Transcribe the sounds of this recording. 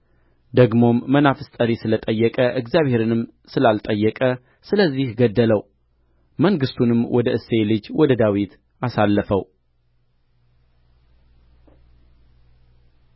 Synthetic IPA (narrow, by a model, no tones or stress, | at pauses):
d̪əɡmo̞mːənafɨst̪ʼəɾisɨlət̪ʼəjːɛkʼəʔɨɡzjaβhe̞ɾɨnɨm | sɨlalt̪ʼəjːɛkʼə | sɨləzːihɡəd̪ːələw | məŋɡɨst̪ʰunɨmwɔd̪əʔɨsːe̞lɨd͡ʒwɔd̪əd̪awit̪ | asalːəfəw